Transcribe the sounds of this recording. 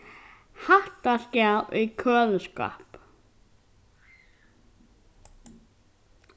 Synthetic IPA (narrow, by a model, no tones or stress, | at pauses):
haht̪ascjaðʔikʰœːðʏska̰p